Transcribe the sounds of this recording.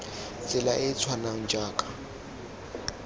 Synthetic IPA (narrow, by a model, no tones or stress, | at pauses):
t͡sʼɪlaʔɪt͡sʰwanaŋ̩d͡ʒaːkʼḁ